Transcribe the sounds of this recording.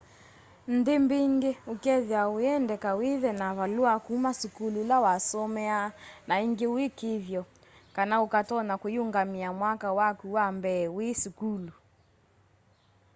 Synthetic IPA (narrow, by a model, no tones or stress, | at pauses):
n̩dembeŋɡeukɛðjaweɛndɛkaweðɛnaβaluakumasukululawasɔmɛanaiŋɡewekeðjɔ | kanaukatɔnakojuŋɡamiamwakawakuwambɛːwesukulu